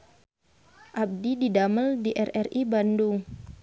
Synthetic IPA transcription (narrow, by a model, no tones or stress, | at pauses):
ʔab̚dididaməldiʔɛrɛribanduŋ